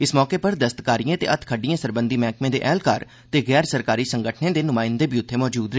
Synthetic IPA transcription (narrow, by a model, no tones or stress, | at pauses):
ɪsmɔːkeːpəɾd̪əst̪kaːɾijãːt̪ḛːət̪ʰkʰəɖijãːsəɾbənd̪iːmɛːkmẽːd̪ḛːʔɛːlkaːɾ | t̪eːɡɛːɾsəɾkaːɾiːsəŋɡəʈʰnẽːd̪eːnʊmãːɪnd̪eːbiːʊt̪ʰːeːmɔːd͡ʒuːd̪ɾeː